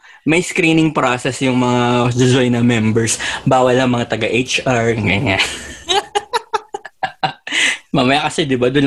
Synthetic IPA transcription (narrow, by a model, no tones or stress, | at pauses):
mɐjskɾiːnɪŋpɾosɛsjʊŋmɐŋad̪ɪzojnɐmɛmbɛɹsbaːwɐlɐŋmɐŋat̪ɐɡaʔejt͡ʃʔaɹŋaŋaʔ | mamɐjakɐsɛd̪ɪbad̪ʊn